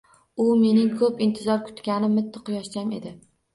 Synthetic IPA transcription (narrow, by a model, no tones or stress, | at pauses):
ʊme̞nɪŋkʰɵpɪnt̪ʰɪzɒɾkʰʊ̥t̪kʲanɪmːɪt̪ʰːɪqʰʊjɒʃt͡ʃʲame̞̰d̪ɪ